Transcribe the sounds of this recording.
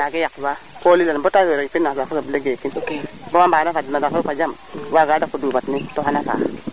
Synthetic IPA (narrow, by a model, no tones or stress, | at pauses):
naɡejak̚wakolilanbotaweɾeŋpinːaakoabileɡekin | bomambanafadnadakookad͡ʒam | waɡadakudubatnitoɦanafa̰